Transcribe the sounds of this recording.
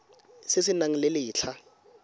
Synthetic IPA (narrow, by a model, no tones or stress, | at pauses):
sɪsɪnaŋ̩lɪlɪːt͡ɬʰa